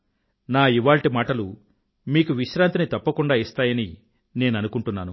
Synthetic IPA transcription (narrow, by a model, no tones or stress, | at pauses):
naːiʋaːlʈimaːʈɐlu | miːkuʋiʃɾaːnt̪init̪ɐpːɐkuɳɖaːist̪aːjɐni | ne̞ːnɐnukuɳʈunːaːnu